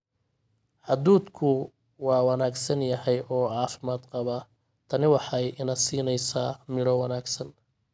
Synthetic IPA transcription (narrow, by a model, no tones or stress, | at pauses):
ʕɑd̪uːd̪kʰʊ | wɑːwɑnaːɡsɐnjɐhɛjʔɔːʕɑːfɪmaːd̪qɑβɐ | t̪ʰɐnɪwɑħɑjɪnɐːsiːnɛjsaːmɪɽɔwɑnaːɡsɐn